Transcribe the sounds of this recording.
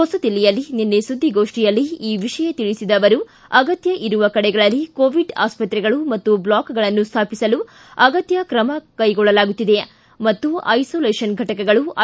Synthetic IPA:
hɔsɐd̪ilːijɐlːininːesud̪ʱːiɡoːʂʈijɐlːiiːʋiʂɐjɐt̪iɭisid̪ɐʋɐɾu | ɐɡɐt̪jɐʔiɾuʋɐkɐɽɛɡɐɭɐlːikoːʋiɖa̰ːspɐt̪ɾɛɡɐɭumɐt̪ːublaːkɡɐɭɐnːust̪ʰaːpisɐlu | ɐɡɐt̪jɐkɾɐmɐkɐjɡɔɭːɐlaːɡut̪ːid̪e | mɐt̪ːuɐ̰jsoːleːʂɐnɡʱɐʈɐkɛɡɐɭuɐ

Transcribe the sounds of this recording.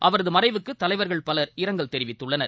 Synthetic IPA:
ʔɐʋɐɾɐðɯmɐrɐɪʋɯkːɯt̪ːɐlɐɪʋɐɾɣɐɭpɐlɐɾɪɾɐŋɡɐlt̪ɛɾɪʋɪt̪ːɯɭːɐnɐɾ

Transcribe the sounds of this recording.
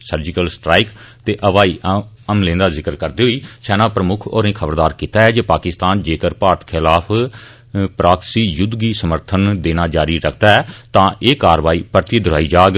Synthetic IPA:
səɾd͡ʒɪkəlsʈɾaːɪkt̪eːʔəʋaːiː | əmlẽːnd̪aːzɪkəɾkəɾd̪iːɦʊiːsɛːnãːpɾəmʊkʰoːɾẽːkʰəbəɾd̪aːɾkiːt̪aːɦɛːd͡ʒeːpaːkɪst̪aːnd͡ʒeːkəɾpaːɾt̪kʰɪlaːpʰ | pɾaːksiːjʊd̪ɡiːsəməɾt̪ʰənd̪eːnaːd͡ʒaːɾiːɾəkʰd̪aːɦɛːt̪ãːʔeːkaːɾʋaːiːpəɾt̪iːd̪ʊɾaːiːd͡ʒaːɡ

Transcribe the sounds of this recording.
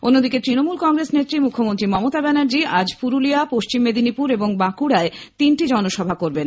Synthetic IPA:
onːod̪iket̪ɾinomulkɔŋɡɾesnet̪ːɾimukʰːomont̪ɾimɔmot̪abɛnaɾd͡ʑiad͡ʑpuɾulijapoʃt͡ɕimːed̪ʱinipuɾeboŋbakuɽaet̪inʈid͡ʑɔnoʃɔbʱakoɾben

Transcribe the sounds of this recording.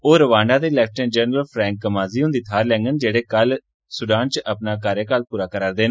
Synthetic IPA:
oːɾəʋaːɳɖãːd̪eːlɛːk̚ʈəːnd͡ʒəːnɾəlpʰɾɛ̃ːŋk̚ːəmaːziːõːnd̪iːt̪ʰaːɾlɛ̃ːŋɡənd͡ʒeːɽeːkəl | sʊɖaːnt͡ʃʔəpnaːkaːɾjəkalpuːɾaːkəɾaːɾd̪eːn

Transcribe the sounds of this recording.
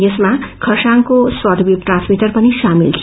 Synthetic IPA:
jʌsmakʰʌsaŋkoswʌʈbip̚ʈrãnsmiʈʌrpʌnisamilt̪ʰi

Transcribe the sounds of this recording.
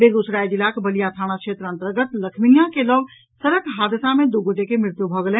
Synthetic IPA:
beːɡosɾaːjd͡ʒilaːkbɐlijat̪ʰaːɽ̃akʃeːt̪ɾəə̃nt̪əɾɡət̪lɐkʰminijakeləʋ | səɾəkɦaːd̪ɪsamẽd̪oɡoʈekemɾɪɾt̪jubʱɔɡlẽː

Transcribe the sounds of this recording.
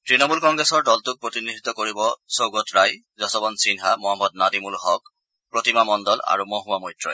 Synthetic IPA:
tɹinɔmulkɔŋɡɹesɔɹdɔltʊk̚pɹotinidʱit̪ːɔkoɹibɔsowɡɔtɹaj | zɔsɔbɔnsinɦamɔɦamɔd̚nadimulhɔk̚ | pɹotimamɔndɔla̰ɹumoɦuwamɔjtɹɔ̰j

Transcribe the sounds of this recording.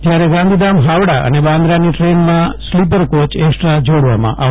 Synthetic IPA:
d͡ʒjaɾeɡãnd̪ʱid̪amɦaʋɽaʔə̰nebãnd̪ɾaniʈɾenmãslipəɾkot͡ʃeksʈɾad͡ʒoɽʋa̰mã̰ʔa

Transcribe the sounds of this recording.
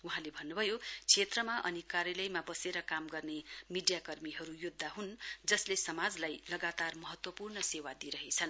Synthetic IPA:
uɦãlebʱʌnːubʱʌjot͡sʰet̪rʌmaʔʌnikarjʌlʌjmabʌseɾʌkamɡʌrnemiɖjakʌrmiɦʌɾujud̪ʱːaɦund͡zʌslesʌmad͡zlajlʌɡat̪armʌɦʌt̪wʌpurnʌsewad̪iɾʌɦet͡sʰʌn

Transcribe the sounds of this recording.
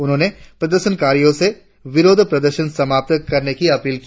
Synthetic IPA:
ʊnɦõːnepɾɐd̪əɾʃənkaːɾijõse | ʋɪɾoːd̪ʱpɾɐd̪əɾʃənsɐmaːp̚t̪əkɐɾnekiɐpiːlki

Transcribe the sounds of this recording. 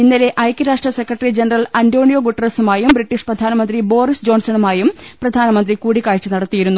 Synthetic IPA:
inːile̞ʔɐjkʲːɐɾaːʂʈrɐsekːrɐʈːɐrid͡ʑenɐrɐlɐndo̞ːɳijoːɡuʈːɐrɐsumaːjumbriʈːiʂprɐd̪ʱaːnɐmɐnd̪ribo̞ːrisd͡ʑo̞ːnsɐnumaːjumprɐd̪ʱaːnɐmɐnd̪rikuːɽikaːɻt͡ɕːɨnɐɽɐt̪ːijiɾunːu

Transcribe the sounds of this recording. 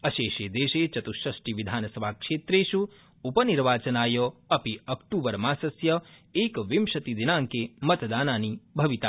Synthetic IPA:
ɐʃeːʃeːd̪eːʃeːt͡ʃɐt̪uʃɾɐʃʈiʋid̪ʱaːnɐsɐbʱaːkʂeːt̪ɾeːʃu | upɐniɾʋaːt͡ʃɐnaːjɐɐpiɐkʈuːʋɐɾmaːsɐsjɐeːkʋimʃɐt̪id̪inaːŋkemɐt̪d̪aːnaːnibʱɐʋit̪aː

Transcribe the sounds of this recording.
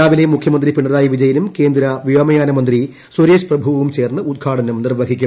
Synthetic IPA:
aːʋilemukʰjɐmɐnd̪ripiɳːɐðaːjɐʋid͡ʑɐjɐnumke̞ːnd̪ɾɐʋiʋɐmɐjaːnɐmɐnd̪ri | swoɾeːʂprɐbʱuʋɐʋumt͡ɕe̞ːrnːɨud̪̚ɡʱaːʈʰɐnɐmnirʋɐɡʱikʲːu

